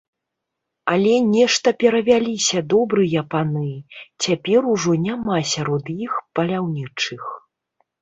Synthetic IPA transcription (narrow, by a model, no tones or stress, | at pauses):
ɐlʲɛnʲɛʂt̪ɐpʲɛɾɐvʲalʲisʲɐd̪ɔbɾɨjɐpanɨt͡sʲapʲɛɾuʐɔnʲamasʲaɾɔd̪jixpɐlʲawnʲit͡ʂɨx